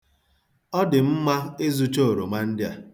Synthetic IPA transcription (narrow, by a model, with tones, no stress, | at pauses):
ɔ˦dɪ˨m̩˦ma˦e˦zu˦t͡ʃo˦o˨ɾo˨ma˦n̩˦dɪ˦a˨